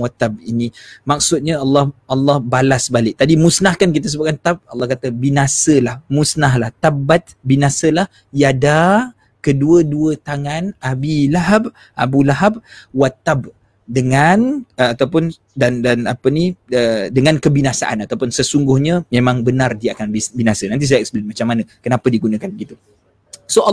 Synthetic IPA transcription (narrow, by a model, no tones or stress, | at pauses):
wat̪ab̚ḭnimak̚sʊt̪̚ɲaalːɔhɑlːɑhbalasbalɪk̚t̪adimusnahkank̬it̪̬asəbʊt̪̚kant̪ab̚ɑlːɑhkat̪abinasəlahmusnaɦlaht̪abat̪̚binasəlah | jada | kəduəduət̪aŋanabilaɦab̚ | ʔa̰bulaɦab̚wat̪ːab̚ | dəŋanəat̪awpʊn | dandanapəniədəŋankəbinasaʔa̰nat̪awpʊnsəsuŋɡʊhɲəmemãŋbənardiakanbibinasənant̪̬is̬jaʔksblinmat͡ʃamːanəkənapədiɡunəkanbɡit̪u | so